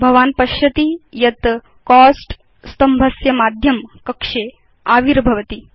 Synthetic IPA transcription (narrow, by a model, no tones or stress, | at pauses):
bʱɐʋaːnpɐʃjɐt̪ijɐt̪ | kɔːsʈ | st̪ɐmbʱɐsjɐmaːd̪ʱjɐmkɐkʂeː | aːʋiɾbʱɐʋɐt̪i